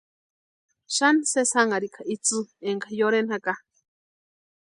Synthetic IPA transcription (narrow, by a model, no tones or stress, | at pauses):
ʃansesaŋaɾikʰaʔit͡sɨeŋkajoɾenhaka